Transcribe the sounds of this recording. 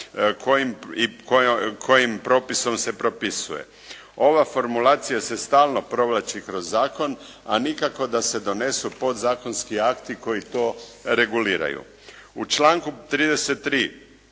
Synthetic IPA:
kʰojimikokʰo̞jimpɾo̞ːpiso̞mse̞pɾo̞pisṵje̞̰ | o̞ʋafo̞ɾmulaːt̪sijase̞st̪aːlˠno̞pɾo̞ʋlat͡ʃikɾo̞zːaːko̞n | anikako̞d̪ase̞d̪o̞ne̞supo̞d̪zaːko̞nskiakt̪iko̞jit̪o̞ːɾe̞ɡuliːɾa̰jṵ | ut͡ʃlaːŋkut̪ɾiːd̪ese̞t̪ːɾiː

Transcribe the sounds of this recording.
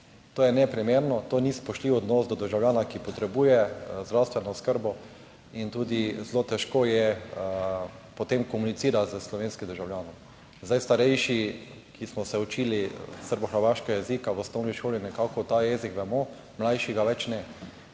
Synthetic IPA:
t̪oːjɛnɛpɾimeːɾnɔt̪oːnispɔʃt̪liwɔd̪nɔsd̪ɔd̪əɾʒawlʲjaːnakipɔt̪ɾɛbuːjɛzd̪ɾawst̪ʋɛnɔskəɾbɔ | int̪uːd̪izlot̪ɛʃkoːjɛ | pɔt̪emkɔmunit̪siːɾat̪zəslɔʋenskid̪əɾʒawljaːnɔm | zd̪ajst̪aɾɛjʃi | kʰismɔsɛut͡ʃiːlisəɾbɔxəɾʋaːʃkɛɡajɛzikawɔst̪ɔʊniʃoːlinɛkakɔt̪ajɛzikʋɛmɔ | mlajʃiɡaʋɛt͡ʃnɛ

